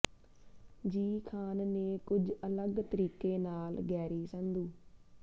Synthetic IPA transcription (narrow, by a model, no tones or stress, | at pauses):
d͡ʒiːkʰaːnneːkʊd͡ʒələɡt̪əɾiːkeːnaːlɡɛːɾiːsə̃nd̪uː